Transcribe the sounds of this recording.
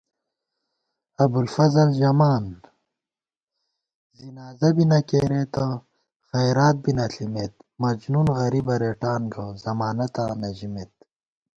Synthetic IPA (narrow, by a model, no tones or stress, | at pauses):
ɐbulfɐzɐlʑɐmaːnd̪ | zinaːzɐbinɐkeːɾet̪ɐ | xɐjɾaːt̪̚binɐɬimet̪mɐd͡ʑnunɣɐɾibɐɾeːʈaːnɡɐzɐmaːnɐt̪ãːnɐʑimet̪̚